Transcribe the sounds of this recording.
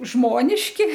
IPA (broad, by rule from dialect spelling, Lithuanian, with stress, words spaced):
ˈʒmoːnʲɪʃʲkʲɪ